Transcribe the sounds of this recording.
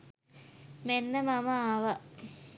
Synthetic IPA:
menːəmaməaːʋə

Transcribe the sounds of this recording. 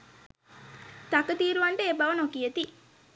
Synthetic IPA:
t̪akət̪iːɾuʋaɳʈeebɐʋənokijət̪i

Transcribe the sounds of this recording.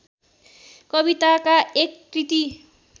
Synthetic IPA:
kʌbit̪akaekkrit̪i

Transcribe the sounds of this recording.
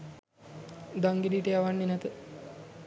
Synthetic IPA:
d̪aŋɡidiːʈejaʋanːinɛt̪ə

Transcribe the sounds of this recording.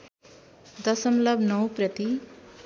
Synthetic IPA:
d̪ʌsʌmlʌbnʌwprʌt̪i

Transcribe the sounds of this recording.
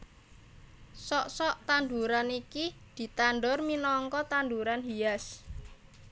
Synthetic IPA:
sɔʔsɔʔt̪and̪uɾanikid̪̥i̤t̪anɖɔrminɔŋkɔt̪and̪uɾanɦias

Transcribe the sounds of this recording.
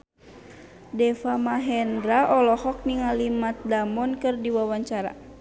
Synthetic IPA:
dɛfamaɦɛndɾaʔɔlɔhɔk̚niŋalimat̪̚damɔnkɨrdiwawaɲt͡ʃaɾa̰

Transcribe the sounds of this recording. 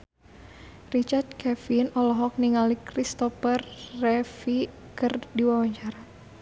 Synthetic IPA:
rit͡ʃart̪̚kɛfinɔlɔɦɔk̚niŋalikɾist̪ɔfərːɛfi | kɨrdiwawaɲt͡ʃaɾa

